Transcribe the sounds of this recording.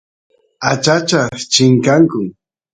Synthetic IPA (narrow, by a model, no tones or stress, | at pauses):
at͡ʃat͡ʃaχt͡ʃɪŋkaŋkʊŋ